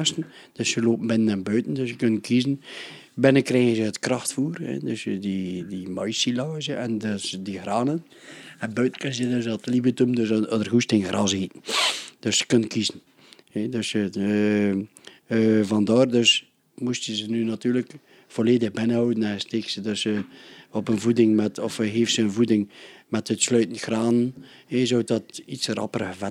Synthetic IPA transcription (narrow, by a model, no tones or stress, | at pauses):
stn̩ | d̥øsjəloːpm̩bɪnənɛnbøɥtn̩døsjəkønkʰizən̩ | bɪnəkrɛːənzəətkrɑxtfuːrhɛ̰døsjədidimœjsilɑːzjəɛndəsdihraːnən | əbøɥtn̩kənzədøsɔtlibətumdøsɔdərhustɪŋrɑzitn̩d̥øsjə̥kønkʰizn̩ | hedøsjə | vɑndɑːrdøs | mustjəzənynatyːrlək | v̥oleːdəxbɪnəhɔwdn̩ɛsteːksədøsjəɔpənvudɪŋmɛtɔfɦeːftsəənvudɪŋmɛtətslœːtn̩txraːnənezoːtɔtisrɑ̰pərəvɛ